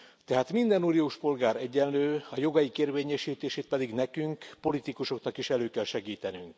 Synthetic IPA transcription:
t̪ɛɦaːt̪mind̪ɛnuːnijoːʃpo̞lɡaːɾɛɟːɛnløːɒjo̞ɡɒjikeːrveːɲɛʃiːt̪eːʃeːt̪̚pɛd̪iɡnɛkyŋkpo̞lit̪ikuʃo̞knɒkiʃɛløːkɛlʃɛɡiːt̪ɛnyŋk

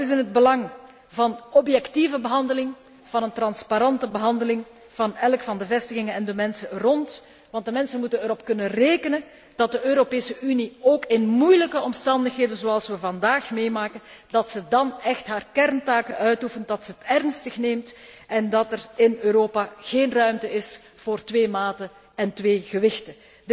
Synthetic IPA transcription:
ɪzɪnɦəd̚bəlɑŋ | vɑnɔpjɛktivəbəɦɑndəlɪŋ | v̥ɑnəntrɑnspaɾɑntəbəɦɑndəlɪŋ | v̥ɑnɛlkfɑndəvɛstəɣɪŋənɛndəmɛnsərɔnt | ʋɑnt̚dəmɛnsənmutənəɾɔpkɵnənreːkənə | d̥ɑt̚dəʔøːɾopeːsəʔynioːkɪnmujləkəɔmstɑndəxɦeːdənzoɑlˠsʋəvɑndaːxmeːmaːkəndɑtsədɑnɛxtɦaːrkɛrntaːkənʔœɥtufənt̚dɑtsəətɛrnstəxneːmt | ʔɛndɑtɛrɪnøːɾoːpaɣ̥eːnrœɥmtəɪs | v̥oːrtʋeːmaːtə | ɛntʋeːɣəʋɪxtə

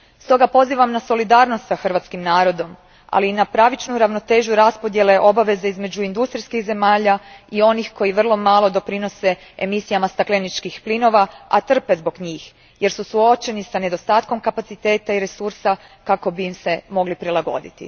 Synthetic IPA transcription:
st̪o̞ɡapo̞ziːʋamnaso̞lid̪aːɾno̞st̪saxr̩ʋat̪skimnaːɾo̞d̪o̞m | a̰liːnapɾaʋit͡ʃnuɾaʋno̞t̪e̞ːʒuɾaspo̞d̪jele̞ʔo̞baʋe̞zeizme̞d͡ʒuind̪ust̪ɾiskiɣze̞maːʎaio̞nixko̞jiʋr̩lˠo̞maːlˠo̞d̪o̞pɾino̞se̞ | emisijamast̪aklenit͡ʃkixplino̞ʋaa̰t̪r̩pe̞zbo̞ɡɲiːx | je̞ɾsusuo̞t͡ʃe̞nisane̞d̪o̞st̪aːt̪ko̞mkapat̪sit̪e̞ːt̪aiɾe̞suɾsa | kako̞biːmse̞mo̞ɡlipɾilˠaɡo̰d̪ḭt̪ḭ

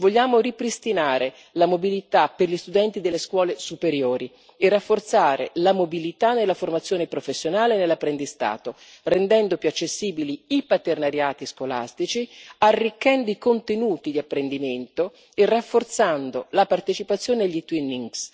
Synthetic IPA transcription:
voʎːaːmoripɾist̪inaːɾʔe | lamobilit̪apːerʎist̪ud̪ɛnt̪id̪elːeskwɔːlesupeɾjoːɾi | erːafːort̪saːɾḛlamobilit̪anːelːaformat̪sjoːnepɾofesːjonaːlenelːapːɾend̪ist̪a̰ːt̪o | rend̪ɛnd̪opjuat͡ʃːesːiːbiliipat̪ernaɾjaːt̪iskola̰st̪it͡ʃiarːikːɛnd̪oikont̪enuːt̪id̪iapːɾend̪iment̪o | erːafːort̪sand̪olapart̪et͡ʃipat̪sːjoːneaʎːit̪winːiŋɡs

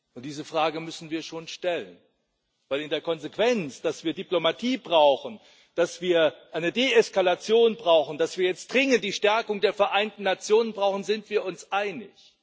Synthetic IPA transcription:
ʔʊntd̥iːzəfʁ̥aːɡəmʏsn̩viːɐʃoːnʃtɛlən | v̥aɪlɪndeːɐkʰɔnzekv̥ɛnt͡sd̥asv̥iːɐdiplomatʰiːbʁaʊxn̩ | d̥asv̥iːɐʔaɪnədeɛskalat͡sjoːnbʁaʊxn̩d̥asv̥iːɐjɛt͡std̥ʁɪŋənt̚d̥iːʃtɛɐkʊŋdeːɐfɛɐʔaɪntn̩ːat͡sjoːnənbʁaʊxn̩zɪntv̥iːɐʊnsʔaɪnɪç

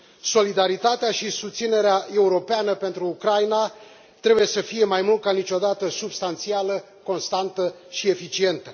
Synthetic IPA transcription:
so̞lid̪aɾit̪at̪eaʃisust̪sine̞ɾeaʔe̞uɾo̞peanəpe̞nt̪ɾuːkɾajna | t̪ɾe̞buje̞səfije̞majmult̪̚kanit͡ʃʲo̞d̪at̪əsubst̪ant̪sialə | ko̞nst̪ant̪ə | ʃie̞fit͡ʃie̞nt̪ə

